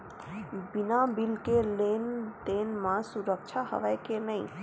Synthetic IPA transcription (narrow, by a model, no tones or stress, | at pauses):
binabilkelend̪enmãsuɾək̚t͡ʃʰaɦə̰ʋəjkenəĩ